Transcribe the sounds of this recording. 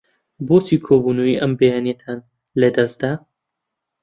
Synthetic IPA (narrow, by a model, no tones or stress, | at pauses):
bot̪ʰiːkʰoːbunoiʔɐmbejaːnjet̪ʰaːn | lɐd̪ɐsd̪a